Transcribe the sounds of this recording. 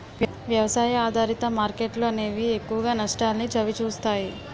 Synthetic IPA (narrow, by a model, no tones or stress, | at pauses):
ʋjɐʋɐsaːjɐaːd̪ʱaːɾit̪ɐmaːɾkeʈluɐne̞ːʋiekːuʋɐɡaːnɐʂʈaːlnid͡ʒɐʋit͡ʃuːst̪aːji